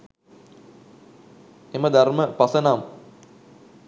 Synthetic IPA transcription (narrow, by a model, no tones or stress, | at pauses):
eməd̪arməpɐsənaːm